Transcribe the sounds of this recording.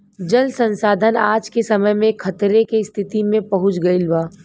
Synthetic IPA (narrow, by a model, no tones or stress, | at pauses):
d͡ʒɐlsə̃nsaːd̪ʱənaːd͡ʒkesɐməjmẽkʰɐt̪ɾekest̪ʰɪt̪imẽpɐɦʊ̃t͡ʃɡɐilbaː